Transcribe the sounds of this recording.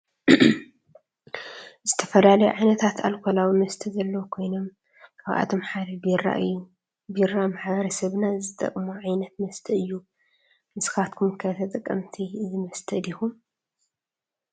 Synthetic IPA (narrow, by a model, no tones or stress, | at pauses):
zɨt̪ʰɐfɐlalɐjuʕajnɐt̪ʰat̪ʰa̰lkʰolawimɐst̪ʰɐzɐlːɐwukʰo̞jno̞m | kʰaβʔa̰t̪ʰo̞mħad̪ɐbɾa̰u | biɾamaħβɐɾɐsɐβnazɨt̪ʼɐ̰kʼmoʕajnɐt̪̚mɐst̪ʰɐɨjːu | nɨsɨ̥xat̪̚kʰumkʰɐt̪ʰɐt̪ʼɐkʼːɐ̰mt̪ʰizɨmɐst̪ʰɐd̪ixum